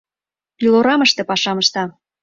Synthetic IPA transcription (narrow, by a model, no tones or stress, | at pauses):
iloɾɑməʃt̪ĕpɑʃɑməʃt̪ɑ